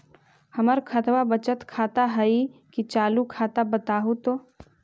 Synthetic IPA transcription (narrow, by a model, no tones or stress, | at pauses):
hɐməɾkʰət̪ʰwabət͡ʃət̪kʰaːt̪aɦɐikit͡ʃaːlukʰaːt̪abət̪aːɦut̪oː